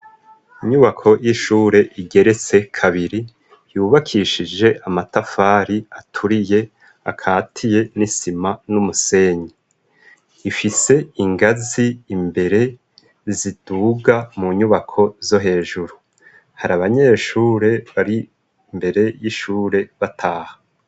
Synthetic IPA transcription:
iɲuβakʰo̞jiʃuːɾe̞ʔiɡe̞ɾe̞t͡se̞kʰaβiɾi | juːβakʰiʃid͡ʒe̞ʔamatafaɾiatʰuɾije̞ | a̰kʰaːtʰije̞nisimanumuse̞ɲi | ifise̞iŋɡaziːmbe̞ɾe̞ | zid̥uɡamuɲuβakʰo̞zo̞ɦe̞ːʒuɾu | haɾaβaɲe̞ːʃuːɾe̞βaɾi | mbe̞ɾe̞jiʃuːɾe̞βatʰaːha

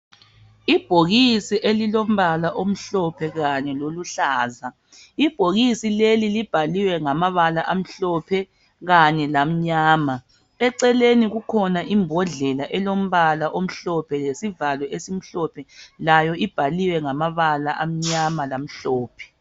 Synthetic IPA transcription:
ib̥ʱoɣisiʔelilom̩βalaʔom̩ɬɔpʰɛɣaɲɛloluɬaːza | ib̥ʱoɣisilelilib̥ʱaliwɛŋamaβalaʔam̩ɬɔpʰɛ | ɣaɲɛlam̩ɲaːma | ɛǀɛleniɣukʰɔnaʔimbʱɔɮɛlaʔɛlom̩βalaʔom̩ɬɔpʰɛlesivalwɛesim̩ɬɔpʰɛlajɔib̥ʱaliwɛŋamaβalaʔam̩ɲamalam̩ɬɔːpʰɛ̥

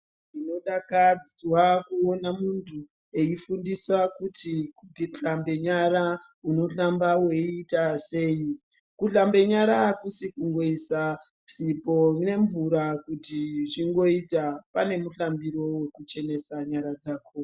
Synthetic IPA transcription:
ino̞ɗakad͡zirwakuonamuntʰu | e̞ifundiswakutʰikuɡʱiɬambe̞ɲaɾa | uno̞ɬambawe̞itase̞ːi | kuɬambe̞ɲaɾakusikuŋɡo̞isa | psipo̞ne̞ɱvuɾakutiʐiŋɡo̞itapane̞muɬambiɾo̞we̞kut͡ʃe̞ne̞saɲaɾad͡zaːko

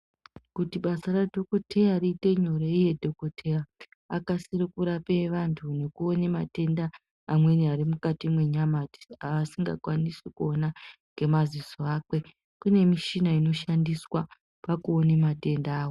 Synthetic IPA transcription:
kutiɓasaradʱo̞ko̞tʰejariːte̞ɲoɾeije̞dʱo̞kotʰe̞ja | akasiɾikuɾape̞ʋantʰunekuo̞nemate̞ndaː | mwe̞niaɾimukatimwe̞ɲamati̥aʋasiŋɡa̰kwanisikuo̞naŋɡe̞mazisoaːkwe̞ | kune̞miʃinaino̞ʃandiswa | pakuonemate̞ndaːwo

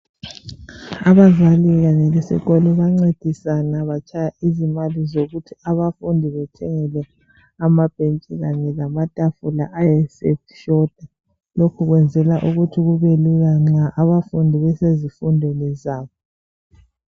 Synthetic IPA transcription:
aβavaliɣaɲɛlɛsḭɣɔlɔβaŋ͡ǀed̥ʱisanaβat͡ʃʰʼajaizimalizoɣutʰiaβafundʱiβɛtʰɛŋɛlɛ | amab̥ʱent͡ʃʼɛɣaɲɛlamatʼafula̰ʔajɛsɛfʃɔd̥̚ʱa | lokʰuɣwɛnd͡zʱɛlaʔuɣutʰiɣuβeliɣaŋ͡ǀaʔaβafundʱiβɛsezifundʱɔlɛzaːβɔ

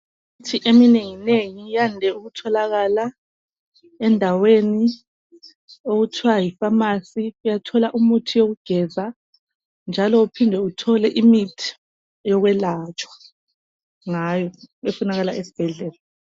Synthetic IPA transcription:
utʰiʔemineŋineŋijandʱɛuɣutʰɔlaɣala | ɛndʱaweni | oɣutʰiwajifamasiujatʰɔlaʔumutʰijoɣuɡ̥ʱɛza | nd͡ʒʱalɔupʰindʱɛutʰɔlɛʔimitʰi̥ | jɔɣwɛlat͡ʃʼwḁ | ŋajɔefunaɣalaʔesi̥b̥ʱɛɮɛːla

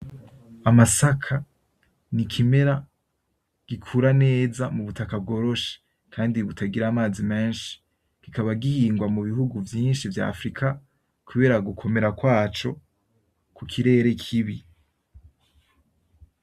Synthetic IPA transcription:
amasakʰa | nikʰime̞ɾa | ɡ̥ikʰuɾane̞ːzamuβutakab̚ɡo̞ːɾo̞ʃe̥ | kʰaːndiβutʰaɡiɾaːmaːzime̞ːnʃi̥ | ɡ̥ikaβaɡihiːŋɡwamuβihuɡuvjiːnʃivja̰ːfɾikʰa | kuβe̞ːɾaɡukʰo̞me̞ɾakwaːt͡ʃo̞ | kukʰiɾe̞ːɾe̞kʰiβi

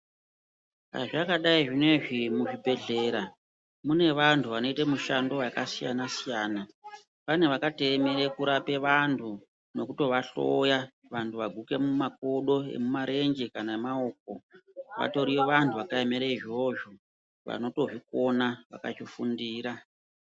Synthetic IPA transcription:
a̰ʐakaɗaiʐine̞ʐimuʐibʱe̞ɮe̞ːɾa | mune̞ʋantʰuʋano̞itemuʃando̞wakasija̰nasijaːna | pane̞ʋakate̞meɾekuɾape̞ʋantʰu | no̞kuto̞ʋaɬo̞̰ja | ʋantʰuʋaɡʱukemumak̚oɗo̞e̞̰mumaɾe̞ŋd͡ʒekanamao̞k̚o̞ʋa̰to̞ɾieʋantʰuʋakaemeɾeiʐioʒo | ʋa̰no̞to̞ʐiko̞naʋa̰ka̰t͡ʃifundiːɾa

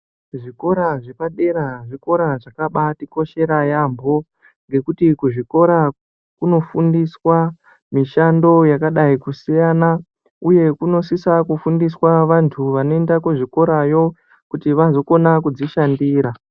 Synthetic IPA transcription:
ʐiko̞ɾaʐepaɗe̞ɾaʐiko̞ɾaʐakaɓatiko̞ʃe̞ɾajambo̞ | ŋɡe̞kutikuʐiko̞ɾa | kuno̞fundiswa | miʃando̞jakaɗaikusijana | uje̞kuno̞sisakufundiswaʋantʰuʋanoendakeʐiko̞ɾajo̞ | kutiʋazo̞ko̞nakud͡ziʃandiːɾa

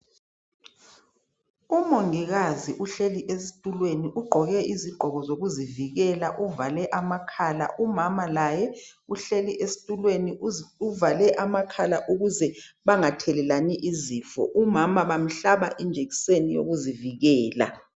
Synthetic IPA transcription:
umoŋiɣaziʔuɬeliʔesi̥tʼulweniʔuɡ͡ǃʱɔɣɛiziɡ͡ǃʱɔɣɔzoɣuziviɣɛlaʔuvalɛʔamakʰaːla̰ʔumamalajɛuɬeliʔesi̥tʼulweniuvalɛʔamakʰalaʔuɣuzɛβaŋatʰɛlɛlaniʔiziːfɔ̰ʔumamaβam̩ɬaβaʔind͡ʒʱeɣi̥senijo̰ɣuziviɣɛːla̰

